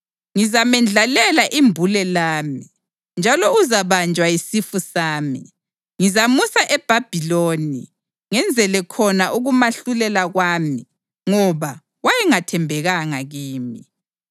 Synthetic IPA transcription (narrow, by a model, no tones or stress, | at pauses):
ŋizamɛnd͡ɮʱalɛlaʔimbʱulɛlaːmi | nd͡ʒʱalɔuzaβand͡ʒʱwaisifusaːmḭ | ŋizamusaʔɛb̥ʱab̥ʱiloːnḭ | ŋɛnd͡zʱɛlɛkʰɔnaʔuɣumaɬulɛlaɣwaːmi | ŋɔβa | wajɛŋatʰɛmbʱɛɣaŋaɣiːmi